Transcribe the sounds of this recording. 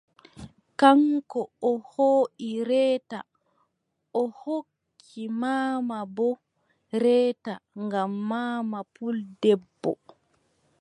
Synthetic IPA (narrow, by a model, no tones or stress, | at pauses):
kaŋkɔɔhoːʔiɾɛːta | ɔhokʰːimaːmabɔ | ɾɛːtaŋɡamːaːmapuldɛbːɔ̰